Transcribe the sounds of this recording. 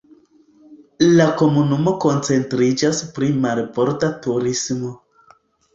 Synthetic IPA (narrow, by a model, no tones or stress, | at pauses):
lako̞munumo̞ko̞nt͡se̞ntɾid͡ʒaspɾimaɾpo̞ɾtatuɾismo̞